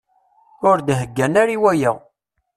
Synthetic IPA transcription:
ʊɾd̪ɦəɡːænæɾiwæjæʁ

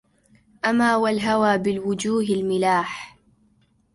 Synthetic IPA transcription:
ʔamaːwalɦawaːbɪlwʊd͡ʒuːɦalmɪlaːħ

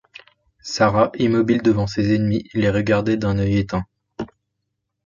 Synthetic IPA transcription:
saʁaʔimɔbild̪əvɑ̃sezɛnmieleʁəɡaʁd̪ed̪ɛ̃nœjet̪ɛ̃

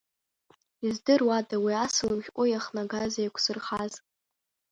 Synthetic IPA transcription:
izdɨrwadawiasɨlmχʲkʷʼʊjaχnaɡazajkʷʰsɨrχaz

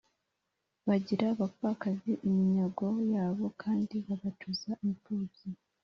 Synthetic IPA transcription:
βaɟiɾaβakakaziʔimiɲaɡo̞jaːβo̞kʰaːndiβaβatʰuzaimipuːb̥i

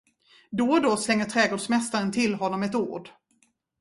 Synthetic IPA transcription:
d̪oːd̪oslɛŋːəʈʰɾɛːɡoːɖʂmɛst̪aɾənt̪ʰɪlɦɔnːɔmɛt̪ṵːɖ

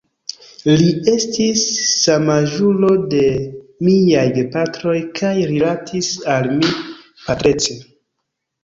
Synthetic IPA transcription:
lie̞stisːamaʒulo̞de̞miajepatɾo̞jkʰajɾilatʰisalmi | patɾe̞t͡se

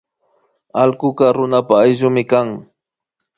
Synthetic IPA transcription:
alkʊkɑɾʊnapaːjʒʊmɪkaŋ

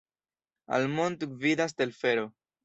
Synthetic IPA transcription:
a̰lmont̪ɡvidas̬te̞lfeɾo̞

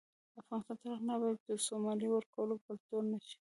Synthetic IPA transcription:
afɣɑnɪst̪ɑnt̪aɾaxnabɑjat̪̚d̪əsomɑljiwəɾkawəlokəlt̪oɾnaʃi̥

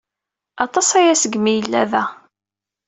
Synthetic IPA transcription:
ɑt̪ˤɑsæjæsəɡmijəlːæ̰ðæ

